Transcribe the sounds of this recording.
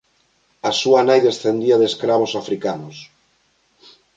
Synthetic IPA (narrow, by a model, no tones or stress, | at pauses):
asuanajðesθend̪iaðeskɾaβ̞osafɾikanos